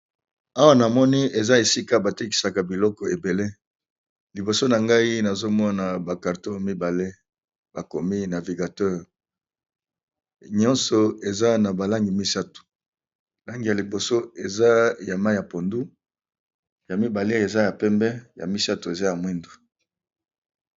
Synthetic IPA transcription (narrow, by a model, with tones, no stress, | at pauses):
a˦wa˦na˨mɔ˦ni˦e˨za˦e˨si˦ka˦ba˨te˦k̬i̥˨sa˨ka˨bi˨lɔ˦kɔ˨e˨be˨le˦ | li˨bo˨so˦na˨ŋɡa˦i˦na˨zo˦mɔ˦na˨ba˨ka˨ʁto˦mi˦ba˨le˦ | b̥a˨ko˨mi˦na˨vi˨ɡa˨tɛ˦ʁ | ɲɔ̃˦nsɔ˨e˨za˦na˨ba˨la˦ŋɡi˨mi˦sa˦tu̥˨ | la˦ŋɡi˨ja˨li˨bo˨so˦e˨za˦ja˨ma˦ja˨po˨ndu˦ | ja˨mi˦ba˨le˦e˨za˦ja˨pɛ˦mbɛ˦ja̰˨mi˦sa˦tu˨e˨za˦ja˨mwɛ˦ndo˨